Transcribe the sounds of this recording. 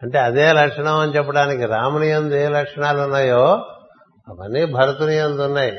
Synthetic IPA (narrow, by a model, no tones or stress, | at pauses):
ɐɳʈe̞ːɐd̪eːlɐkʂɐɳɐmɐnit͡ʃɛpːɐɽaːnikiɾaːmɐnijɐnd̪ueːlɐkʂɐɳaːlunːaːjoː | ɐʋɐnːiːbʱɐɾɐt̪unijɐnd̪unːaːji